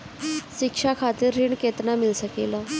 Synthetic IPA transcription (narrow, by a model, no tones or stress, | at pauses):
ɕikʂakʰat̪iɾːiɳket̪namilsəkela